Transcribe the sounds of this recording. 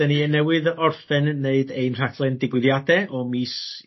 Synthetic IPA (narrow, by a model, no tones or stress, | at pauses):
əniənɛwɨðɔrfɛnːeɨdejnr̥aɡlˠɛndɪɡwɪðjadɛʔɔmiːs